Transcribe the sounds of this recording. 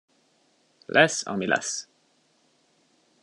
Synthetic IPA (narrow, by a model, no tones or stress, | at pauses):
lʔɛsɒ̰milʔɛ̰s